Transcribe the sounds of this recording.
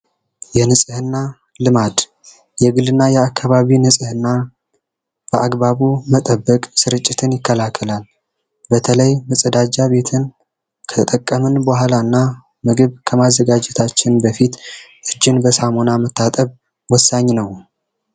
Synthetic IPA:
jɛnɨsʼɨhɨnːa | lɨmad̪ | jɛɡɨlɨnːajɛakʰːaβaβinɨsʼɨhɨnːa | b̥əʔaɡβaβumət̪ʼəbːəkʼsɨɾɨt͡ʃʼːɪt̪ʰɨnjɪkːəlakʰːəlal | bət̪ʰələjməsʼəd̪ad͡ʒaβe̞t̪ʰɨn | kʰət̪ʰət̪ʼəkʼːəmɨnbohalanːa | mɨɡɨβkʰəmazːəɡad͡ʒɛt̪ʰat͡ʃːɪnbəfit̪ʔɨd͡ʒːɪnbəsamonamət̪ːat̪ʼəβ | wɔsːaɲːnəw

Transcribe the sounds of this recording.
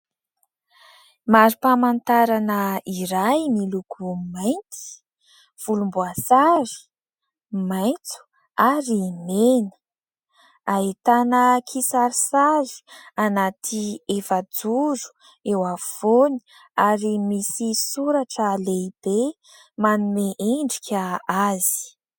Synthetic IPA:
maɾipamant̪aɾanəiɾajmilukʰumajnt̪i̥ | v̥ulumbuasaɾi̥ | majnt͡su̥ | aɾimenə̥ | aet̪anəkʰisaɾisazi̥anat̪ʰiefad͡zuzu̥ | ewav̥oni̥ | aɾimisisuɾaʈ͡ʂəleib̥e | manumeʔeɳɖ͡ʐikʰʲaazi̥

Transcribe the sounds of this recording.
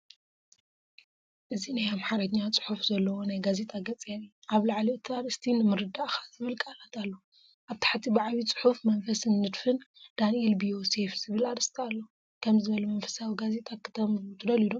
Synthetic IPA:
ʔɨzinajamħaɾɐɲːat͡sʼɨ̥ħufzɐlːɐwonajɡaze̞t̪ʼaɡɐt͡sʼen | aβlaʕlit̪ʰaɾɨst̪ʰinɨmɨɾɨd̪aʔxḁzɨβɨlkʼalat̪ʰalːo | ʔaβt̪ʰḁħt̪ʰibaʕβit͡sʼɨ̥ħufmɐnfɐsɨnːɨd̪fɨnd̪̥anielbio̞sefz̥ɨβɨlaɾɨst̪ʰialːo | kʰɐmzɨβɐlumɐnfɐ̥sawiɡaze̞t̪ʼakʰɨ̥t̪ʰɐmzut̪ʰɨd̪ɐlid̪om

